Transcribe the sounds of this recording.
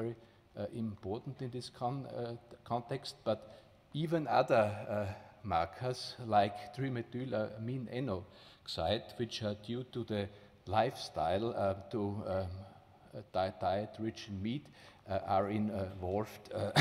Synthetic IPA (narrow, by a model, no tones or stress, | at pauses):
ɛɹi | ɪ̃mpʰɔɹtn̩tɪ̃nðɪskʰɔ̃nkʰɔ̃ntʰɛkst̚b̥at | iːvə̃naðə˞ | maɹkʰə˞slaɪktɹimɨdʉləmĩnɛno | ksaɪdwɪt͡ʃadjutuðə | laɪfstaɪlˠtu | d̥aɪd̥aɪətʰɹɪt͡ʃnmiːtaɹɪ̃nvɔlvd